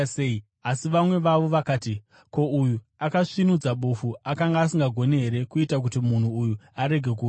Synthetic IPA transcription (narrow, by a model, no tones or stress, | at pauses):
sei | asiʋamwe̞ʋaʋo̞ʋakaːti | ko̞uju | akaʂinud͡zaɓofuakaŋɡaːsiŋɡaɡʱo̞ne̞ɦe̞ɾe̞kuitak̬utimun̤uːjuaɾe̞ɡʱe̞k̬u